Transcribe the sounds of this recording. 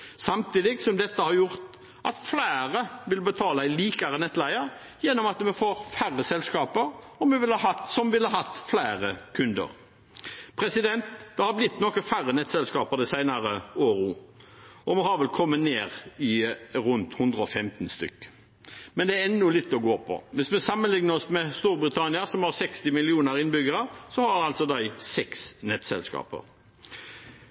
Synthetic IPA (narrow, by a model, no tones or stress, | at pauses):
sɑmt̪ʰiːd̪ɪɡsɔmd̪ɛt̪ːəhɑɾjʊɾt̪ | ʔɑt̪flæːɾəʋɪlbət̪ʰɑːlɑɪliːkɑɾənɛt̪ːlæɪəɾ | jɛnːɔmɑt̪mɛfoːɾfæʁːəsɛlskɑːpəɾ | ɔmɛʋɪlhɑɦɑt̪sɔmʋɪlhɑhɑt̪ːflæːɾəkʰʉnd̪ə̰ɾ | pʰɾɛsɪd̪ɛnt̪d̪̥ɛhɑblɪt̪ːnɔkəfæɾːənɛt̪sɛlskɑːpəɾd̪ɛsæɪnɑɾəoːɾu | ɔmɔhɑɾʋɛlkʰɔmːəneːʁɪɾʉnt̪hʉnd̪ɾəɔfɛmt̪nst̪ʏ̰kː | mɛnd̪ɛɛnːʊlɪt̪ːɔɡoːpʰɔ̰ʋɪsmɛsɑmːənlɪŋnəɔsmɛst̪uːɾbɾɪt̪ʰɑnɪəɾsɔmhɑɾsɛkst̪ɪmɪlɪuːnəɾɪnbʏɡəɾəsɔhɑɾɑlt̪sɔd̪æɪsɛksnɛt̪sɛ̰lskɑ̰ːpə̰ɾ